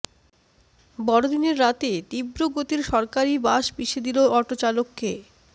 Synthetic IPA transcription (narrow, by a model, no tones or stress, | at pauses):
bɔɽod̪ineɾːat̪et̪ibɾoɡot̪iɾʃɔɾkaɾibaʃpiʃed̪iloɔʈot͡ɕalokːe